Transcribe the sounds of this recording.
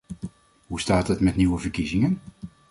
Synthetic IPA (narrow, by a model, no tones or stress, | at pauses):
ɦustaːtətmɛtniwəvəɹkizɪŋən